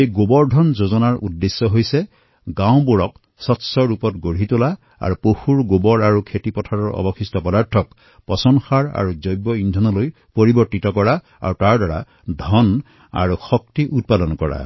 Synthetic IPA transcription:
ejɡobɔɹdʱɔnzozɔnaɹʔudːesːɔɦojsɛ | ɡãw̃boɹɔk | sɔtsɔɹupɔtɡoɹitola | a̰ɹupoxuɹɡobɔɹaɹukʰetipɔtʰaɹɔɹɔ̰bɔxistɔpɔdaɹtʰɔk | pɔsɔnxaɹa̰ɹuzɔjbɔindʱɔnɔloj | poɹibɔɹtitɔkɔɹa | a̰ɹutaɹdaɹa̰ | dʱɔn | a̰ɹuxɔktiʔut̚padɔnkɔɹa̰

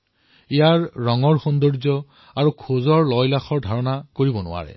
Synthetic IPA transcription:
ijaɹːɔŋɔɹxɔndɔɹzɔ | aɹukʰozɔɹlɔjlaxɔɹdʱaɹɔnakoɹibɔnʊ̰wa̰ɹɛ̰

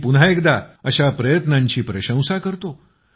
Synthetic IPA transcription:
pun̤aekd̪aəɕapɾəjət̪nãɲt͡ɕiːpɾəɕə̃w̃sakəɾt̪o

